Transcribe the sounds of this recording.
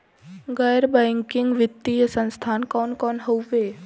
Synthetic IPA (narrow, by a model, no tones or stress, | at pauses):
ɡəjɾbɛ̃ːŋkɪŋɡʋɪt̪ːijəsə̃nst̪ʰaːnkɔːnkɔːnɦowʋeː